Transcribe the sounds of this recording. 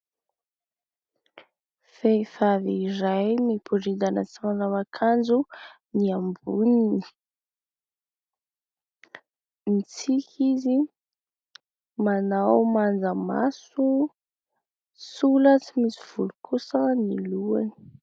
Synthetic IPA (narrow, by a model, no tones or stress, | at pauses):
fejfaviiɾajmipʰuɾid̪anət͡simanawakʰand͡zu | niambunini | nit͡sikʲʰizi | manawmand͡zəma̰su | sulət͡simisiv̥ulukʰusəniluani̥